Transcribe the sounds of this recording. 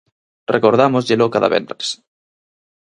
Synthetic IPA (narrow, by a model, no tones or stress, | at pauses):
rekoɾð̞amozʎelokaða̰βḛnt̪ɾe̥s